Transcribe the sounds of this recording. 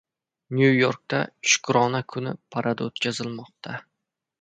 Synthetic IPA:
njujoɾk̚t̪ʰa̰ʃʊ̥kɾɒnakʰʊnɪpʰaɾʔad̪aot̪kʲazɪlmɒq̚t̪ʰa

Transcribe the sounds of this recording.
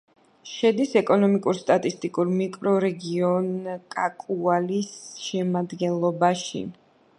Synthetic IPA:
ʃɛd̪isɛkʼɔnɔmikʼuɾst̪ʼat̪ʼist̪ʼikʼuɾmikʼɾɔɾɛɡiɔnkʼakʼualisʃɛmad̪ɡɛnlˠɔbaʃḭ

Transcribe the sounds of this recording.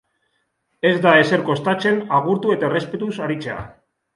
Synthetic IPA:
e̞zd̪ae̞se̞ɾko̞st̪at͡se̞naɣ̞uɾt̪ue̞t̪aere̞spe̞t̪usaɾit͡sea̰

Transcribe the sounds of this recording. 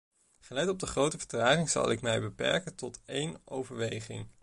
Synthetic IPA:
χəlɛtɔb̚dəχrowtəvə̥ɹtraːχɪŋz̥ɑ̰lˠɪ̰kmɛjbəpɛ̰ɹkəntɔtejno̰wvəɹʋejχɪ̰ŋ

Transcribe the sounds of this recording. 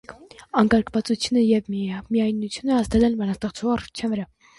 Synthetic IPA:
ɑŋkɑɾkʰvɑt͡sut͡sʰjunəjɛvmiɑjnːut͡sʰjunəɑsd̪ɛlɛlbɑnɑst̪ɛχt͡sʰuɑrt͡ʃʰɛnvəɾɑ

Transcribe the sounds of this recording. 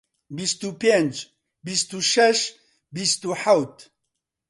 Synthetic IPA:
bist̪upend͡ʒ | bist̪uʃɛʃ | bist̪uħawt̪

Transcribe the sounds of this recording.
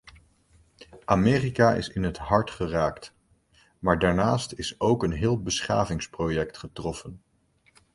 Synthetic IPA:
ʔamɪːrikaːʔɪ̰sɪnɦətɦɑɹtχəraːkt | maːɹdaːɹnaːstɪsowkənɦɪːlˠbəsχa̰ːvɪŋsprojɛktχətrɔfən

